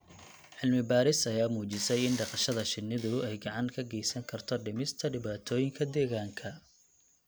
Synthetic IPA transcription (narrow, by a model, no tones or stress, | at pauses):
ʕɪlmɪbaːɾɪsɐjaːmuːt͡ʃɪsɛjɪnɖɑqɑʃɐðɐʃɪnːɪðʊɛjɡɑʕɑŋkʰɐɡɛjsɐŋkʰɐrt̪ʰɔɖɪmɪst̪ʰɐɖɪβaːt̪ʰɔːjɪŋkʰɐd̪ɛːɣaːŋkʰɐ